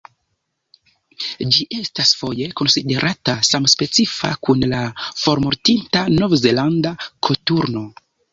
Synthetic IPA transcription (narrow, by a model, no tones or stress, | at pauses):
d͡ʒiʔe̞stasfo̞je̞ko̞nside̞ɾʔatasamspe̞t͡sifa̰kunlafo̞ɾmoɾtintano̞vze̞landakʰotuɾno̞